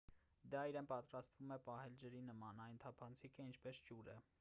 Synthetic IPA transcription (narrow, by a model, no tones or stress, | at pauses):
d̪ɑiɾɛnpɑt̪ɾɑst̪vumɛpɑɦɛld͡ʒəɾinəmɑnɑjnt̪ʰɑpʰɑnt͡sʰikʰəint͡ʃʰpɛsd͡ʒuɾɛ̰